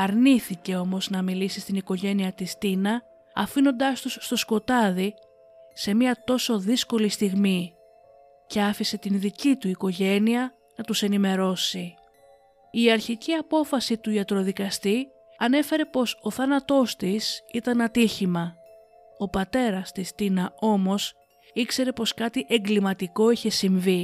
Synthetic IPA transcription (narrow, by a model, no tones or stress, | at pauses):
ɐɾniθice̞o̞mo̞znɐmilisist̪iniko̞ʝe̞niɐt̪ist̪inɐ | ɐfino̞nd̪ɐst̪usːt̪o̞sko̞t̪ɐði | se̞miɐt̪o̞so̞ðisko̞list̪iɣmi | ce̞ɐfise̞t̪inðicit̪uiko̞ʝe̞niɐ | nɐt̪use̞nime̞ɾo̞si | iɐɾçiciɐpo̞fɐsit̪uiɐt̪ɾo̞ðikɐst̪i | ɐne̞fe̞ɾe̞po̞so̞θɐnɐt̪o̞st̪isit̪ɐnɐt̪içimɐ | o̞pɐt̪e̞ɾɐst̪ist̪inɐo̞mo̞s | ikse̞ɾe̞po̞skɐt̪iʔe̞ŋɡlimɐt̪iko̞içe̞siɱvi